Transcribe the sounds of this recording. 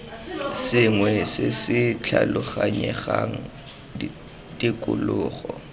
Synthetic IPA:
sɪŋwɛsɪsɪt͡ɬʰalʊχaɲɛχaŋ̩ | dikʼʊlʊːχɔ

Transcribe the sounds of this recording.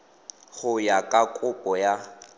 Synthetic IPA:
ɣʊjakʼakʼʊpʼɔja

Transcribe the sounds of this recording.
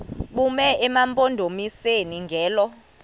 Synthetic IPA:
ɓumɛʔɛmampʼondʱomiseniŋɡʱɛːlɔ

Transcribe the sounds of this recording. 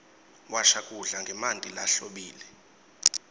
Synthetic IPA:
waʃakʼuɮaŋɡʱɛmantʼila̰ɬoɓiːlɛ

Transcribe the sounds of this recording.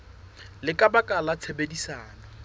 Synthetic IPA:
lɪkʼabakʼalat͡sʰebedisaːna

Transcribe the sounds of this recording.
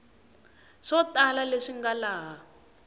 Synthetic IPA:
ʂɔtalaleʂiŋɡalaːɦa

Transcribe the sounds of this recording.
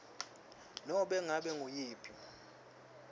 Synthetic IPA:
nɔɓɛŋaɓɛŋʱujiːpʰʼi

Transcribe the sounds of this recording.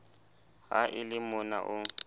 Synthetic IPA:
haʔɪlɪmʊna̰ʔʊ

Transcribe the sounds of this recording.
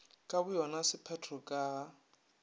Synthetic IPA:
kʼaβʊjɔnasɪpʰɛtʰrɔkʼaː

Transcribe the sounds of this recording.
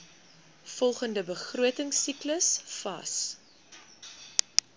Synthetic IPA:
fɔlˠχəndəbəχruətəŋsikləsfɐ̰s

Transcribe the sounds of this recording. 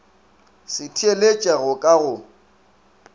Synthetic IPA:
sɪtʰielet͡ʃʼaɣʊkʼaɣʊ

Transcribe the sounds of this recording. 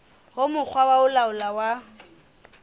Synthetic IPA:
hʊmʊk͡xʰwawaʊlaʊlawa

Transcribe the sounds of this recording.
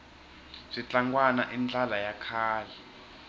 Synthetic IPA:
zit͡ɬaŋɡwanaʔind͡ɮalajakʰaːlɛ

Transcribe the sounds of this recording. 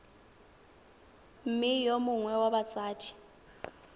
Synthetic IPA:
m̩mɪjomʊŋwɛwaɓat͡sʼaːtʰi̥

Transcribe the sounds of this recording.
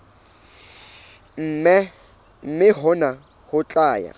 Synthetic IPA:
m̩ːmɛ | m̩mɪɦʊna | hʊt͡ɬʼaːja̰

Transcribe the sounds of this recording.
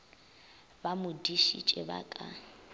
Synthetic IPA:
bamʊdiʃḭt͡ʃʼɛba̰kʼa

